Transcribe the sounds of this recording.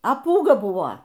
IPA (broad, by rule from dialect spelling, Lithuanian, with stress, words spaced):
ɐ ˈpuːɡɐ ˈbʊʋoː